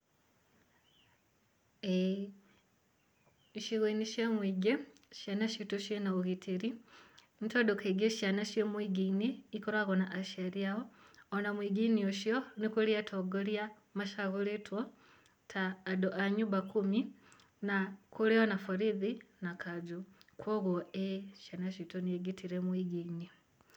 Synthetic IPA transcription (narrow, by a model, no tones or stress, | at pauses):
e | ʃiɣweniʃemwiːɡeʃjanaʃituʃjenauɣitʰiɾi | nitodokeɡeʃanaʃjemwiɡiniːkoɾaɣonaʔaʃeɾiaoːnamwiɡinioʃjonikuliatʰoɡolja | maʃaɣuletwo | tʰaːdoʔaɲuβakumi | nakuleonafuɾiðinakad͡ʒukwoɣwoeʃanaʃitunieɡitiɾemwiɡini